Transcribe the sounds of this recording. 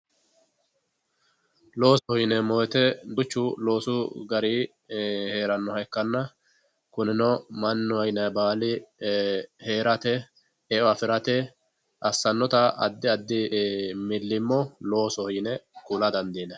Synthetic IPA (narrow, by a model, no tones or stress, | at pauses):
lo̞ːsɔhiːnɛmɔjt̪ɛd̪ʊt͡ʃːʊlo̞ːsʊɡɐɾiː | he̞ːɾɐnːɔhɐjkːɐnːɐ | kʊnɪnɔmɐnːɔhɐjnɐbaːlɪ | he̞ːɾɐt̪ɛ | ɛɔɐfɪɾɐt̪ɛ | ʔɐsːɐnːɔt̪ɐɐ̰d̪ːɪɐd̪ːɪmɪlːɪmːɔlo̞ːsɔhiːnɛkʊlɐd̪ɐnd̪iːnɛ